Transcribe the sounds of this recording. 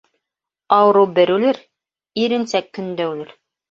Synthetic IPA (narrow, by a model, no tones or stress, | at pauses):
ɑwɤ̆ɾɤwbɘ̆ɾʉlɘɾ | iɾɘ̆nsækːɵ̆nd̪æʉlɘɾ